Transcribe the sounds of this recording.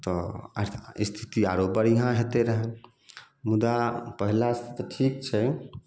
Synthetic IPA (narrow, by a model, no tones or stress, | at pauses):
t̪ɔ | ist̪ʰi̥t̪iaɾobəɾiɦãɦet̪eɾəɦɛ̃ | mud̪apəɦilast̪ʰit̪ʈʰik̚t͡ʃʰɛ